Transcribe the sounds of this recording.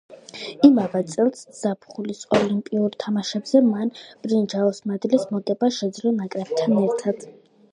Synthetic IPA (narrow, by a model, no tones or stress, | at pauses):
imavat̪sʼɛlˠsz̥apʰχulisɔlimpʼiuɾt̪ʰamaʃɛbz̥ɛmanb̥ɾind͡ʒaɔsmad̪lismɔt̪ʼɛbaʃɛd̪zlɔnakʼɾɛb̚t̪ʰanɛɾt̪ʰad̪̥